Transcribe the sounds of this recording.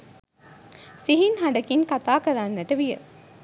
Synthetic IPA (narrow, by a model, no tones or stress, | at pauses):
siɦinɦɐɳɖɐkinkɐt̪aːkɐɾaːnːɐʈɐʋijɐ̰